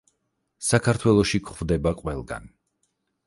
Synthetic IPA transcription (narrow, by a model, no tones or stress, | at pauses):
sakʰaɾt̪ʰwɛlˠɔʃikʰχvd̪ɛbaqʼwɛlˠɡa̰n